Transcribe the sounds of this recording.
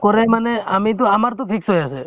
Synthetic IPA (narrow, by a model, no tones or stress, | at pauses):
kɔɾɛmaneamit̪̬ɔamaɾt̪ɔtʰiksɔjasɛ